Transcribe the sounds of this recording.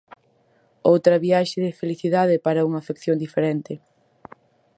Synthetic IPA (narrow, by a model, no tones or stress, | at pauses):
owt̪ɾɐβiaʃɪðɪfeliθiðaðɪpaɾɐuŋɐfekθjond̪ifeɾɛnt̪ɪ